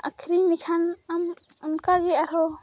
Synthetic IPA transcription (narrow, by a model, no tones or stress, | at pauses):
a̰kʰɾinikʰanam | unkaɡɛaɾɔ